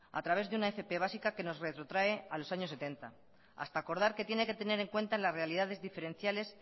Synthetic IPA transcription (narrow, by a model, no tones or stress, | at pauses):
a̰t̪ɾaβ̞e̞zðeunaefe̞pe̞β̞asikake̞no̞sre̞t̪ɾo̞t̪ɾae̞alo̞saɲo̞sːe̞t̪e̞nt̪a | a̰st̪aːko̞ɾð̞aɾke̞t̪je̞ne̞ke̞t̪e̞ne̞ɾe̞ŋkwe̞nt̪alasre̞aliðaðe̞zðife̞ɾe̞n̟θjale̞s